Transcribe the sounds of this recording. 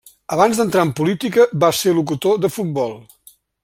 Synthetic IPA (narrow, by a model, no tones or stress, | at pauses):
əβ̞anzðənt̪ɾaəmpulit̪ikəβaseɾluk̬ut̪oðəfut̪̚bɔlˠ